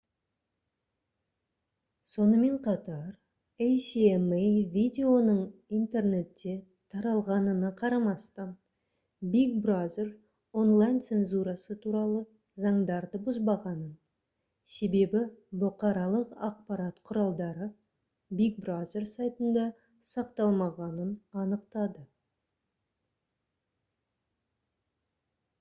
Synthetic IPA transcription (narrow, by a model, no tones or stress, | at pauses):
so̞nəme̞ɴqʰɑt̪ɑɾ | ejsiemevʲid̪ʲe̞o̞nəɴijnt̪e̞rne̞t̪ːe̞ | t̪ʰɑɾɑlˠʁɑnənəqʰɑɾɑmɑst̪ɑn | bikbrazer | o̞nlˠajnt̪se̞nzuɾɑsət̪ʰuɾɑlˠə | zɑɴd̪ɑɾd̪əbʊzbɑʁɑnən | se̞be̞bɪbʊqɑɾɑlˠəqɑq̚pɑɾɑt̪qʰʊɾɑlˠd̪ɑɾə | bik̚brazʲe̞rsajt̪ənd̪ɑ | sɑqt̪ɑlˠmɑʁɑnənɑnəqt̪ɑd̪ə